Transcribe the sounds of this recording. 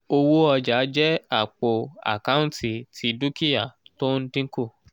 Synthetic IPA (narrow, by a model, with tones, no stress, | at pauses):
o˧wo˦ɔ˧d͡ʒa˨˦d͡ʒɛ˦a˨k͡po˨a̰˨ka˦ũ˦ti˨tʰi˨˦du˦ki˦ja˦˨to˦n̩˦tĩ˦ŋ˦ko˦˨